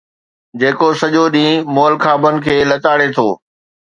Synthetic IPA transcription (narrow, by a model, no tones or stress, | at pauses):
d͡ʑeːkosɐʄoɗĩːmoːlkʰaːbənɪ̆kʰeːlɐt̪aːɽet̪ʰoː